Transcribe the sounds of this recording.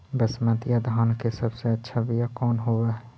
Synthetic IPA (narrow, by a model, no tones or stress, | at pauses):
bəsmə̃t̪ijad̪ʱaːnkesəbseɐtːʃʰabijakɔːnɦoʋaɦɛ